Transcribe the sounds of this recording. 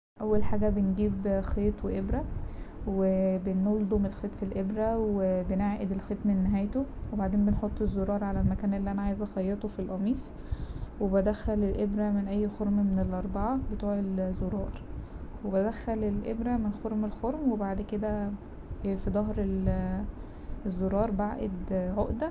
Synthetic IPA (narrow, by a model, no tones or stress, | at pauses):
ʔæwːælħaːɡæbenɡiːbxeːt̪ˤweʔebɾæwebenold̪ˤomelxeːt̪filʔebɾæwwebeneʕʔed̪elxet̪mæenːeɦæːjt̪owebaʕd̪eːmbenħot̪ˤːezːoɾˤɑːɾˤʕalælmækæːnʔelːiʔænæʕaːjezɑxɑjːet̪ˤofilʔɑmiːsˤ | webæd̪æxælelʔebɾæmenʔæjːxoɾˤmmenelʔɑɾˤbɑʕabet̪uːʕelzoɾˤɑːɾˤwebæd̪æxːælelʔebɾæmenxoɾmelxoɾmwebaʕd̪ked̪æ | fid̪ˤɑɦɾel | ezːoɾˤɑːɾˤbaʕʔḛd̪ʕoʔd̪æ